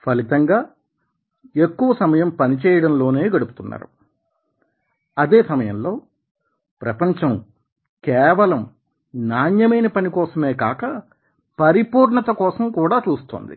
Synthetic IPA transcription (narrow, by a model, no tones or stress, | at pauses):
pɐlit̪ɐŋɡaː | ekːuʋɐsɐmɐjɐmpɐnit͡ʃɛːjɐɽɐmlo̞ːne̞ːɡɐɽupu̥t̪unːa̰ːɾu | ɐd̪eːsɐmɐjɐ̰mlo̞ː | pɾɐpɐɲt͡ʃɐm | kɛːʋɐlɐm | naːnjɐmɐjnɐpɐnikɔːsɐme̞ːkaːkɐ | pɐɾipuːɾɳɐt̪ɐkɔːsɐmkuːɽaːt͡ʃuːst̪oːnd̪ḭ